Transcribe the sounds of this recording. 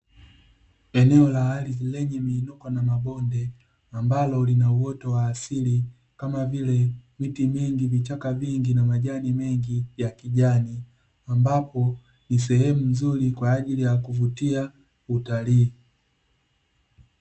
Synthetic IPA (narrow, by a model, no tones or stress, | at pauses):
ɛnɛɔlahalilɛɲɛmiːnukɔnamabɔndɛ | ambalɔlinauwɔtɔwaːsili | kamavilɛmitimiŋɡivit͡ʃakaviŋɡinamaʄanimɛŋɡijakiʄani | ambapɔ | nis̬ɛhɛmum̩zulikwaːʄilijakuvutia | utaliː